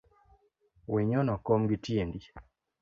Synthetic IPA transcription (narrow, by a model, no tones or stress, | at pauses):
wiɲɔnɔkomɡitiendi